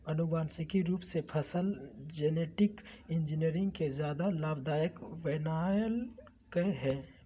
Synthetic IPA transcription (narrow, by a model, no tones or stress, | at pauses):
ɐnʊbaːnsɪkiɾuːpsepʰəsəld͡ʒeneːʈɪkɪ̃nd͡ʒiniəɾɪ̃ŋɡ̚kezjaːd̪alaːbd̪aːjəkʋeːnaːjəl | keɦɛː